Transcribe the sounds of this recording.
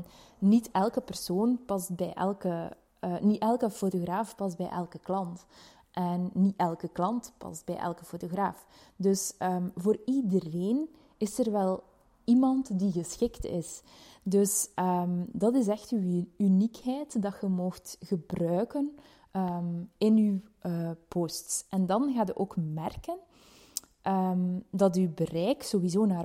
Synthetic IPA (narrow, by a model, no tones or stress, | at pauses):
nitɛlˠkəpərsoːnpɑzbɛjʔɛ̰lˠkə | nitɛlˠkəfotoɣraːfpɑzbɛ̰jʔɛ̰lˠkəklɑnt | ʔɛnːiɛlˠkəklɑntpɑ̰zbɛ̰jʔɛ̰lkəfotoɣraːf | dɵsəːvoːridəreːn | ɪsərʋɛlˠ | imɑntdiɣəsxɪktɪ̰s | dɵsəmdɑtɪs̬ɛxtyynikɦɛjtdɑxəmoxtɣəbrœːkən | əmɪnywəpostsɛndɑnɣaːdəʔoːkmɛrkən | ʔəmdɑtybərɛjksowizoːnaːr